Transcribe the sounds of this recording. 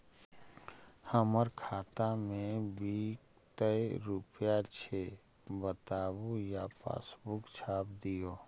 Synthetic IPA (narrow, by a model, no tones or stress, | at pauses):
həməɾkʰaːt̪amẽbiːk | t̪əeɾupjat͡ʃʰe | bət̪aːwojapa̰ːsbʊkt͡ʃʰaːpd̪ijoː